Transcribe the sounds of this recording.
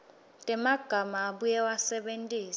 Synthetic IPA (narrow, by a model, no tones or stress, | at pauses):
tʼɛmaɡ̥ʱamaːɓujɛwasɛɓentʼiːs